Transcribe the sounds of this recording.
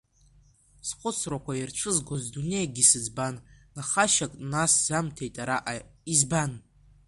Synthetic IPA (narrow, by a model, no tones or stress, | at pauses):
sχʷʊt͡sʰrakʷʰajarʈ͡ʂʷʰɨzɡozdune̞jaɡʲisɨd͡zbanː | aχaʃakʼnasz̥amtʰe̞jtʼaɾaʔaizban